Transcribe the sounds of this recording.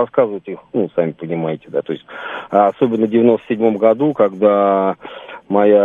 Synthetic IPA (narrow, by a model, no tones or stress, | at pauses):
ɐskazɨvətʲixnusamʲɪpənʲɪmajɪtʲɪ̥d̪at̪oɪsʲtʲːso̞bʲɪnːəvdʲɪvʲɪnost̪əsʲɪdʲmo̞mɡɐd̪ukaɡd̪a | mɐja